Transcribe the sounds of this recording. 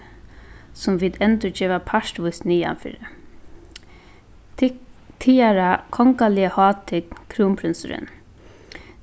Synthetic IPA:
sʊmʋiːd̪ɛnt̪ʊd͡ʒɛːʋapʰaʃʈʋʊjsniːa̰nfɪ̰ːɾɪ | t̪ʰiːaɾakʰɔŋkalɪəhɑːt̪ʰɪkkʰːɾuːmpʰɾɪnsʊɾɪ̰n

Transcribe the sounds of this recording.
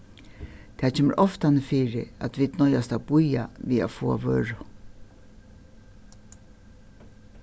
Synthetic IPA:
t̪ʰaːt͡ʃʰɛːmɛ̰ɾʔɔft̪anɪfiːɾɪat̪ʋiːd̪nɔjast̪awbujaʋiːa̰foːa̰ʋøːɹʊ

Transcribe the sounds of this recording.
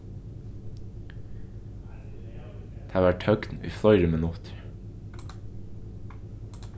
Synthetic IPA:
d̪̥ʰæːʋæʈhœkt̪n̩ḭːfɔʏɾəmənʊt̪ɾ

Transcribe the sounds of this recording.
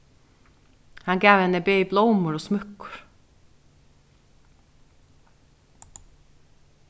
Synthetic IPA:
hɑŋɡæːʋɛnəbœʏblɔʊmʊɾoːsmœkʊ̥ɹ

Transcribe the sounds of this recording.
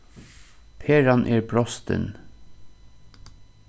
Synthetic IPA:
pʰeːɹanʔɛːɹbɹɔst̪ə̰n

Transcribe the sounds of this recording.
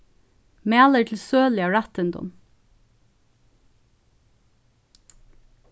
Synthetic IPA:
mæːləʈʰl̩søːlɪɑɹæt̪ɪnd̪ʊ̰n

